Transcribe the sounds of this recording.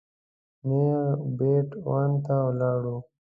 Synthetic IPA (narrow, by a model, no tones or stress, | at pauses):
mebeːʈwaːnt̪awlaːɽu